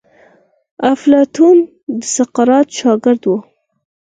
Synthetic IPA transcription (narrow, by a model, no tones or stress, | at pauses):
aflɑt̪un | d̪əsaqɑɾɑt̪ʃɑɡɪɾd̪wo